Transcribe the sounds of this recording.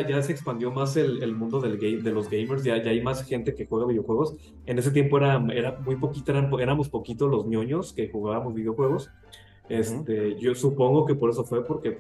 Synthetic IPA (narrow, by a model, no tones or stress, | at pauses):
aʝas̬e̞ːkspand̪jo̞mas̬e̞lelmũnd̪o̞ðelɡejd̪e̞lo̞zɡejmeɾs̬ʝaʝaajmasxe̞nt̪e̞kexwe̞ɣaβiðjoxweɣ̞o̞s | e̞ne̞s̬e̞t̪jempo̞e̞ɾae̞ɾamujpo̞kit̪oeɾampoe̞ɾamo̞spo̞kit̪olo̞znjoɲo̞ske̞xuɣaβamozβiðjoxwe̞ɣ̞o̞s | e̞st̪e̞ʝosupo̞ŋɡo̞ke̞po̞ɾe̞s̬o̞fwe̞poɾke